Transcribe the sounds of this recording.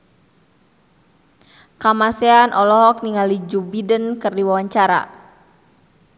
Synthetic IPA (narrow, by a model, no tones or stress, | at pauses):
kamasɛanʔɔlɔɦɔk̚niŋalid͡ʒubidənkərdiwawaɲt͡ʃaɾa̰